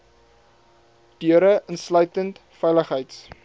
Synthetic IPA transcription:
d̥yəɾəʔənslœɥtəntfɛjləχɦəjts

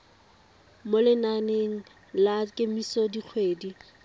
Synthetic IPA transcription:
molɪnaneŋ̩ | lakʼemisɔdik͡xʰweːdi

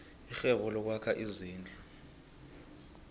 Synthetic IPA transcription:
ixɛɓɔlɔk̬wakʰaʔiziːnd͡ɮʱi

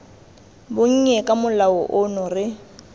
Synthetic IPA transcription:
bʊŋ̩ɲɛkʼamʊlaʊʔʊnʊrɪ

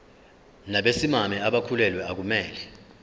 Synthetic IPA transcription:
naɓesimamɛaɓakʰulɛlwɛak̬umɛːlɛ

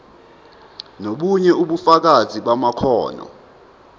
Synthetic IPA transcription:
noɓuɲɛuɓufak̬azʱiɓamakʰɔ̰ːnɔ̰

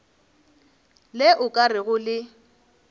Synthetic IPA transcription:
lɪʔʊkʼarɪɣʊlɪ

